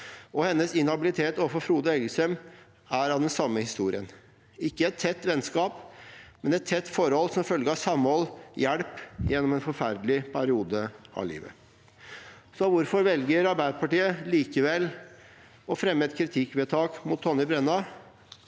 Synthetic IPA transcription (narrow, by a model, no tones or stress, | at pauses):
ɔhɛnːəsɪnhɑbɪlɪt̪ʰeːt̪ɔfɔfɾuːd̪əɛɡəsɾɛm | æɾɑʋd̪ɛnsɑmːəhɪst̪ṵːɾɪən | ɪkːəɛt̪ʰːɛt̪ːʋɛnskɑːpmɛnɛt̪ʰːɛt̪ːfɔɾhɔlːsɔmfœlɡəɑsɑmːɔljæɽpjɛnːɔmɛnfɔɾfæɾd̪lɪpʰæɾɪuːd̪əʔɑ̰lḭːʋə̰ | sɔʋʊɾfɔɾʋɛlɡəɾɑɾbæɪpʰɑʈiːəliːkəʋɛl | ɔfɾɛmːəɛt̪kʰɾɪt̪ʰɪkʋeːt̪ʰɑːkmʊt̪ʰːɔnːɪbɾɛnːɑ